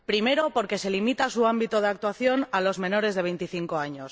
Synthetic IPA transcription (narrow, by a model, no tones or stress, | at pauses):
pɾime̞ɾo̞po̞ɾke̞se̞limit̪asuambit̪oð̞eak̚t̪waθjo̞nalo̞zmẽ̞no̞ɾe̞zðe̞β̞e̞jnt̪iθiŋko̞aɲo̞s